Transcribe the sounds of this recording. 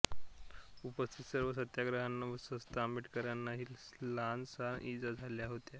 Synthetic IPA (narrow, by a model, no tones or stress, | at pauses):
upəst̪ʰit̪səɾʋəs̬ət̪jaɡɾəɦanːaʋəsəst̪amiːʈkəɾanːaɦiːlland͡zsanʔid͡zad͡zʱaljaɦot̪ja